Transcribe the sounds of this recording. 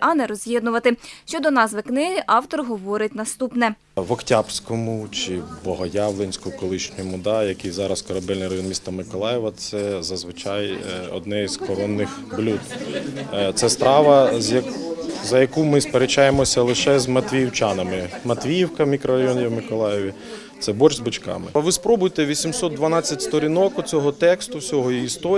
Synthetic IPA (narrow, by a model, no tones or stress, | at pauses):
ʔɐnɛɾɔzʲjʲɛd̪nʊʋɐt̪ɪʃt͡ʃɔd̪ɔnɑsʋɪknɪɦɪʔɑwt̪ɔrɦɔʋɔɾɪt̚ʲnɐst̪upnɛ | ʋɔktʲabsʲkɔmʊt͡ʃɪbɔɦɔjɑwlˠenʲsʲkʊkɔlˠɪʃnʲʊjʊmʊd̪ɑjɐkɪjzɑɾɐskɔɾɐbɛlʲnɪjɾɐjɔnmʲist̪ɐmɪkɔlˠɑjɛʋɐt̪sɛzɐzʋɪt͡ʃɑjɔ̰d̪nɛzkɔɾɔnːɪxblʲud̪ | t̪sɛst̪ɾɑʋɐjɐzɐjɐkumɪspeɾet͡ʃɑjemɔsʲɐlˠɪʃɛzmɐt̪ʲʋʲijiwt͡ʃɑnɐmɪmɐt̪ʲʋʲijiwkɐmʲikɾɔɾɐjɔnʲiwmɪkɔlˠɑjɪʋʲi | t̪sɛbɔt͡ʃzbɪt͡ʃkɑ̰mɪʋɪspɾɔbʊjt̪ɛʋʲisʲimsɔt̪̚d̪ʋɐnɑt͡sʲːɐtʲst̪ɔɾʲinɔkʊt͡sʲɔɦɔt̪ɛkst̪ʊwsʲɔɦɔjiist̪ɔ